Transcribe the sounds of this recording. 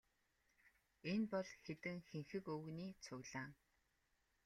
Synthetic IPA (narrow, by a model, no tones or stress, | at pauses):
enpɔɮxet̪ɘ̆ŋxeŋxɘ̆kɵɣniːt͡sʰʊɣɮaːŋ